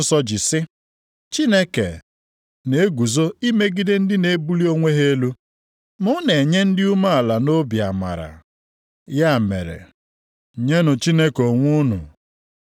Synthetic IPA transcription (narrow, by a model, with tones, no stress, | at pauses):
sɔ˦d͡ʒɪ˨sɪ˦ | t͡ʃi˦ne˦kḛ˨ | ne˨˦ɡu˨zo˦i˦me˦ɡi˦de˦n̩˦dɪ˦ne˨˦bu˦li˦o˦ŋʷe˦ɦe˦lu˦ | mʊ˦ne˨ɲe˦n̩˦dɪ˦u˦ma˦a˨la˨no˦bja˨ma̰˨ɾa̰˨ | ja˦˨mḛ˨ɾḛ˨ | ɲe˦nʊ˨t͡ʃi˦ne˦ko˨ŋʷʊ˦nʊ̰˨